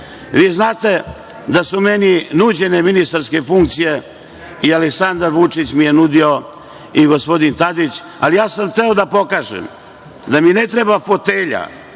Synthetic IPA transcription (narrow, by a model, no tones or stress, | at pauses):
ʋiːznaːt̪e̞ | d̪asumeninud͡ʑe̞ne̞minist̪aɾske̞fuŋkt̪sije̞ | ialeksand̪aɾʋut͡ʂit͡ɕmije̞nud̪io̞ | iɡo̞spo̞d̪int̪ad̪it͡ɕ | a̰lijaːsamxt̪eod̪apo̞kaːʒḛm | d̪aminet̪ɾebafo̞t̪eʎa̰